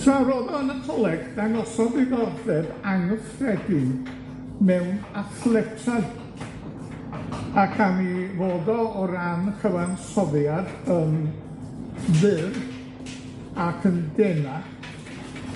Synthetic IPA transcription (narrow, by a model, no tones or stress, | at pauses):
sawɾoðɔanatʰɔlˠɛɡ̥d̥anɔsɔðiɡɔrdɛdaŋəsrɛɡɪ | mɛwnaθlˠɛtʰraj | akʰanivoːdɔɔɾanχəwansɔðjadən | vɨr | akʰəndɛna